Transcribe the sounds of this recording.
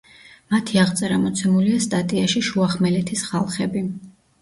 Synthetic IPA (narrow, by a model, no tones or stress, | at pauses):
mat̪ʰiaʁt̪sʼɛɾamɔt̪sʰɛmuliast̪ʼat̪ʼiaʃiʃuaχmɛlɛt̪ʰisχalˠχɛbi